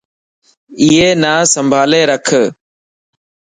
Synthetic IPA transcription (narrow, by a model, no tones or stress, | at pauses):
iːeːnaːsəmbʱaːleːɾəkʰə